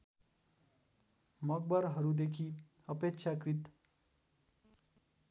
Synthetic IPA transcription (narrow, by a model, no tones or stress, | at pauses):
mʌɡ̚bʌɾɦʌɾud̪ekʰi | ʌpekt͡ʃʰakrit̪